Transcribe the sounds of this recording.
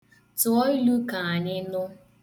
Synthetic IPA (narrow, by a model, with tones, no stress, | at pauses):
tʊ˨ɔ˦i˦lu˦ka˨a˨ɲɪ˦nʊ˦